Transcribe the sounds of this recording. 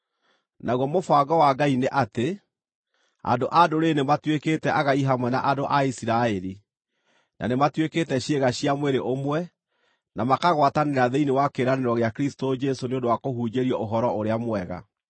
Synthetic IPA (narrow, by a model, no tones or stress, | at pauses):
naɣwɔmofaɡɔwaɡaineʔate | a̰ndoʔadoɾenematweketɛʔaɣaiɦamwɛnaʔadoʔaisiɾaɛɾi | nʔa̰nematweketɛɕeɣaɕiamweɾeʔomwɛ | namakaɣwataneɾaðeinewakeːɾaneɾɔɣeakeɾistod͡ʒɛsoneõndowakohud͡ʒeɾiɔʔoɦɔɾɔoɾeamwɛɣa̰